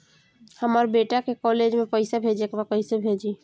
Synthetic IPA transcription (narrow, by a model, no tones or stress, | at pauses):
həməɾbeʈakekɔled͡ʒmepəɪsabʱed͡ʒekbakəɪsebʱed͡ʒi